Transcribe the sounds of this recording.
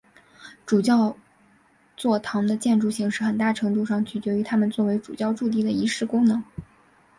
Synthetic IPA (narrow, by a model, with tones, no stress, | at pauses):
ʈ͡ʂu˨˩t͡ɕjɑ˥˧ʊ | t͡swɔ˥˩t̪ʰɑ˧˥ŋd̪ə˧t͡ɕjɛ˥˧nʈ͡ʂu˥˧ɕi˧˥ŋʂɻ̩˥˩xə˨˩nt̪a˥˩ʈ͡ʂʰɤ˧˥ŋt̪u˥˧ʂɑ˥˧˩ŋt͡ɕʰy˨˩t͡ɕɥɛ˧˥y˧˥t̪ʰa˥mə˨nt͡swɔ˥˩we˧˥ɪʈ͡ʂu˨˩t͡ɕjɑ˥˧ʊʈ͡ʂu˥˧t̪̬i˥˩d̪ə˩i˧˥ʂɻ̩˥˩kʊ˥ŋnɤ˧˥ŋ